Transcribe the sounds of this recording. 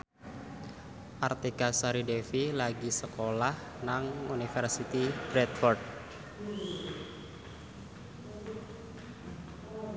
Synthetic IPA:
ʔart̪ikasaɾidefilaɡisəkolah | naŋunifərsit̪ib̥ɾɛt̪fɔrd̪̚

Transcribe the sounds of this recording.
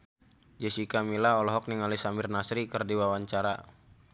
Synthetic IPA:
d͡ʒɛsikamilaɔlɔɦɔk̚niŋalisambirnasɾikərdiwawaɲt͡ʃaɾa

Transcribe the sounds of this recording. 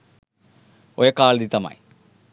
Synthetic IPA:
ojekːaːɭd̪it̪ːɐma̰ːji

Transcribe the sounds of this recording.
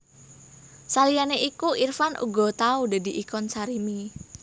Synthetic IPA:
salijaneʔikuʔirfanʔṵɡɔ̤t̪aud̪a̤d̪i̤ʔikɔnsaɾimi

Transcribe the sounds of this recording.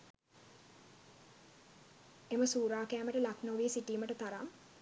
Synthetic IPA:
eməsuːɾaːkæːməʈəlaknoʋiesiʈiːməʈət̪aɾam

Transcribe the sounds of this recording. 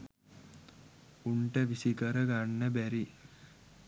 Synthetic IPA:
uɳʈəʋisikəɾəɡaɳːəbæɾi

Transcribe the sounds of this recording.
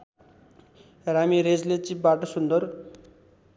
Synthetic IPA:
ramiɾed͡zlet͡sip̚baʈosund̪ʌr

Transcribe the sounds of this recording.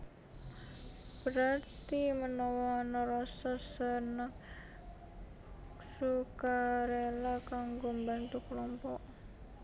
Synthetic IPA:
b̥əɾart̪imənɔwɔnɔɾɔsasənaŋ | sukaɾelakaŋɡombant̪ukəlɔmpɔʔ

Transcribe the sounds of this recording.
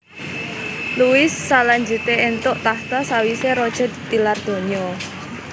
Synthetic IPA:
luwɪsːalaɲd͡ʒut̪eent̪ʊʔt̪aht̪asawiseɾɔd̥ʒ̥ɔ̤d̪̥i̥t̪ilard̪̥o̤ɲɔ

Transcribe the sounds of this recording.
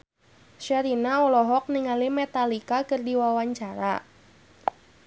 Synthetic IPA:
ʃaɾinaɔlɔɦɔk̚niŋalimɛt̪alikakɨrdiwawaɲt͡ʃaɾa

